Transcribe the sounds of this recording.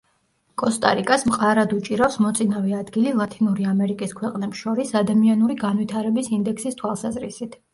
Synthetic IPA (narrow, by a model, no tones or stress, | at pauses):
kʼɔst̪ʼa̰ɾikʼasmqʼaɾad̪ut͡ʃʼiɾafsmɔt̪sʼinavɛad̪ɡililˠat̪ʰinuɾiamɛɾikʼiskʰwɛqʼnɛpsʃɔɾisad̪amianuɾiɡanvit̪ʰaɾɛbisind̪ɛksist̪ʰwalˠsazɾisit̪ʰ